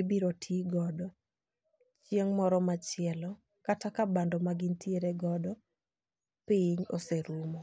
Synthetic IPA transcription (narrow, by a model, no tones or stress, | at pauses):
ibiɾotʰiɡɔdɔ | t͡ʃieŋmɔɾɔmat͡ʃɪɛlɔ | katakabandɔmaɡɪntjeɾeɡɔdɔ | pɪɲo̰seɾumɔ